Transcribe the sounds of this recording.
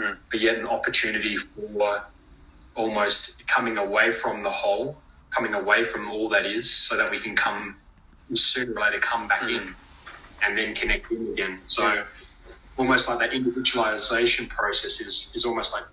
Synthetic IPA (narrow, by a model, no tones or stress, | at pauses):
b̥ɨjɛɾɨ̃n̩ɑpə˞tʰʉnɨɾifə˞ | ɔlˠmoʊstkʰʌmɪ̃ŋəweɪfɹʌ̃mðəhoʊlˠ | kʰʌmɪ̃ŋəweɪfɹʌ̃mɔlˠðɨɾɪz̥soʊðɨt̚wikʰɨ̃n̩kʰʌ̃m | ɪ̃sɪnlaɾɨkʰʌ̃mbækɪ̃n | ɨ̃nðɨ̃nkʰɨnɛk̚tɪ̃nɨɡɛ̃nsoʊ | ɔlˠmoʊst̚ˡlaɪk̚ðɨɾɪ̃ndɨvɪd͡ʒəwlˠɪzeɪʃɨ̃npʰɹ̥oʊsɛsɨz̥ɨzɔlˠmoʊst̚ˡlaɪk̚